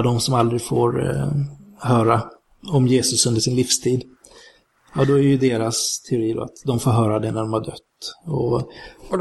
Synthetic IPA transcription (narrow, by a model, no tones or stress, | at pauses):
d̪ɔmsɔmald̪ɾɪɡfo̰ːɾ | ɦœːɾa | ɔmjeːsɵsɵnd̪əʂɪnlifst̪ʰiːd̪ | jɑd̪ɔæɾjɵd̪eːɾast̪ʰɛʊɾiːd̪ɔ̰a̰t̪d̪ɔmfoːɾɦœːɾad̪ɛnæɖɔmhaɖœt̪ːɔ